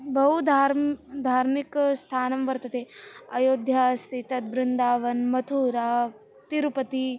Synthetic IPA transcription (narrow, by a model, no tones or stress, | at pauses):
bʱɐɦud̪ʱaːɾd̪ʱaːɾmikst̪ʰaːnɐmʋɐɾt̪ɐt̪eːɐjoːd̪ʱjaːst̪ʰit̪ɐt̪̚bɾɪnd̪aːʋɐnmɐt̪ʰuːɾaː | t̪iɾupɐt̪i